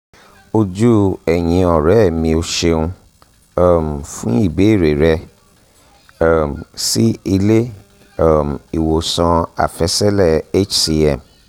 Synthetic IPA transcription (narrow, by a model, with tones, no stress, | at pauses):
o˧d͡ʒu˦ɛ˨j̃ĩ˧ɔ˨ɾɛ˨˦˨mĩ˧o˧ʃe˧ũ˧ | ɔ˦˨m˨fũ˦i˦˨be˨˦˨ɾe˨ɾɛ˧˦˨ | msi˦i˧le˦˨ | m˨i˨wo˨sã˧a̰˨fɛ˧˦sɛ˦lɛ˦˨e˦t͡ʃsi˧ɛ˦˨m